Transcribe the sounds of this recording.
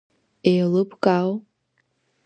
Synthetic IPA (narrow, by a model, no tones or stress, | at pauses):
ejlɨpkʼal